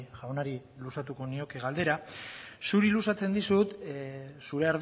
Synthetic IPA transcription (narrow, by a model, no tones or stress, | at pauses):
ʝaonaɾilusat̪uko̞nio̞keɣald̪e̞ɾasuɾilusat͡se̞nd̪isut̪suɾe̞aɾð